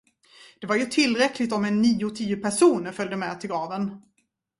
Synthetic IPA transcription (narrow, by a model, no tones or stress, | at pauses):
d̪̥ɛvaɾjɵt̪ʰɪlːɾɛkʰlɪɡ̚t̪ɔmɛnːiːʊt̪ʰiːʊpʰæʂuːnəfœld̪əmɛt̪ʰɪlɡɾɑːvən